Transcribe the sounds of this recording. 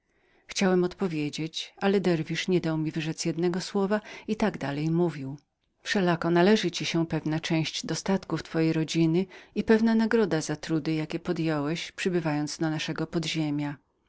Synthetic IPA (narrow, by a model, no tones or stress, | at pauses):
xt͡ɕawɛmɔt̪pɔvʲjed͡ʑet͡ɕalɛd̪ɛɾvʲiʂɲɛd̪awmʲivɘʐɛt̪sjɛd̪nɛɡɔswɔvait̪aɡd̪alɛjmuvʲiw | fʂɛlakɔnalɛʐɘt͡ɕiɕɛpɛvnat͡ʂɛ̃w̃ɕt͡ɕd̪ɔst̪at̪kuft̪fɔjejɾɔd͡ʑinɘipɛvnanaɡɾɔd̪azat̪ɾud̪ɘjakʲɛpɔd̪jɛwɛɕpʂɘbɘvajɔnt̪sd̪ɔnaʂɛɡɔpɔd̪ʑemʲja